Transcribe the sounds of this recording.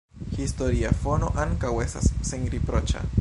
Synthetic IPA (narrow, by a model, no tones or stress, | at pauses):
histoɾiafo̞no̞ʔaŋkawe̞stasːeŋɾipɾo̞t͡ʃa̰